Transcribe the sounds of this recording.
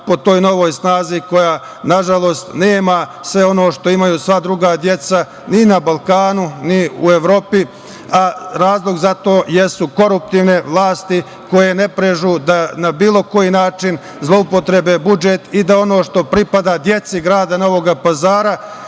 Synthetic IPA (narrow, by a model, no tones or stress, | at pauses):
po̞t̪o̞ːjno̞ʋo̞ːjsnaːziko̞jaː | naʒalo̞ːst̪neːmasʋe̞o̞noːʃt̪o̞imajuːsʋad̪ɾuɡad̪je̞t̪sa | ninabalˠkaːnuniue̞ʋɾo̞ːpi | aɾaːzlˠoɡzat̪o̞ːjesuko̞ɾup̚t̪iːʋneʋlˠaːst̪i | ko̞je̞ne̞pɾeʒud̪anabiːlˠo̞ko̞jinaːt͡ʃin | zlˠo̞upo̞t̪ɾe̞be̞bud͡ʒet̪id̪ao̞no̞ːʃt̪o̞pɾipad̪ad̪je̞t̪siɡɾaːd̪ano̞ʋo̞ɡapazaːɾa